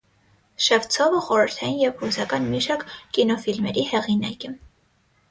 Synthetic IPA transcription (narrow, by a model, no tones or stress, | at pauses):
ʃɛvt͡sʰɔvəχɔɾəɾt̪ʰɑjinjɛvhusɑkɑnmiʃɑkkːinɔfilmɛɾihɛʁinɑ̰kɛ